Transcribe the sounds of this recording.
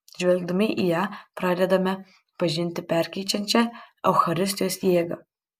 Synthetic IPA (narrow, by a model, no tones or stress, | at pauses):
ʒʲʋʲɛlʲɡ̚d̪ɐmʲɪʔijæːpɾɑːd̪ʲɛd̪ɐmʲɛ | pɐʒʲɪnʲt̪ʲɪpʲæɾʲkʲɛɪt͡ʃʲɛnʲt͡ʃʲɛɛʊxɐɾʲɪst̪ʲjoːsʲjiːɡɐ